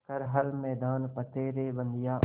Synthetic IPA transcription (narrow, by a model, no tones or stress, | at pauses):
kɐɾɦəlmɛːd̪aːnpət̪eːɾeːbə̃nd̪ijaː